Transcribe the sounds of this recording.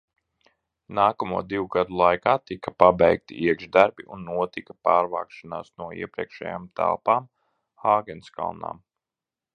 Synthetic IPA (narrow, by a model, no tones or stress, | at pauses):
naːkɐmuɔd̪iwuɡad̪ulˠajkaːt̪ikapabɛjk̚t̪ḭiɛɡʒd̪aɾbiʔunːuɔt̪ikapaːɾva̰ːkʃanaːsnuɔḭɛpɾiɛkʃɛ̰jaːmt̪ʰæ̰lˠpaːm | xaːɡʲɛnska̰lˠna̰ːm